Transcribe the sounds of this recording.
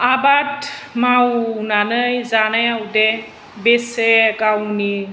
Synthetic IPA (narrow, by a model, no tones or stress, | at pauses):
abatmawnanɯjzanajawdɛ | besekawni